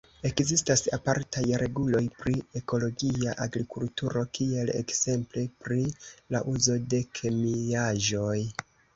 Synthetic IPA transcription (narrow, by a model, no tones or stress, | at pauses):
e̞kzistasapaɾtajɾe̞ɡulo̞jpɾie̞ko̞lo̞ɡiaʔaɡɾikultuɾo̞kie̞le̞̰kz̥e̞mple̞pɾilaʔuzo̞de̞kʰe̞miaʒo̞j